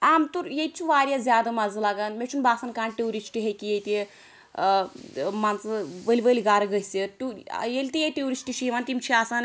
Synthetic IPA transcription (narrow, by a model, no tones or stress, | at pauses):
aːmt̪uɾjet͡ʃʰuʋaːɾjazʲjaːd̪amazɨlaɡanmet͡ʃʰunbaːsankaːɳʈewɾisʈiɦekijejt̪e | mant͡sɨʋəlʲiʋəlʲiɡaːɾɐɡɐjseʈṵjelʲt̪ijeʈ̪eɾisʈiʃiʋaːnt̪imt͡ʃʰiaːsan